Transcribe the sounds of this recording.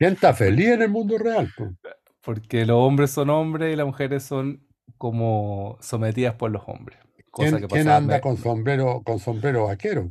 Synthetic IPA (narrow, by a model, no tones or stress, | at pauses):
sent̪afelihenelmũnd̪orealpo | poɾkelosombɾesːonombɾesilamuxeɾesːoŋ | komosomet̪̬iðaspoɾloso̰mbɾes | koeakepaenand̪akonsombɾeɾokonsombɾeɾoakeɾo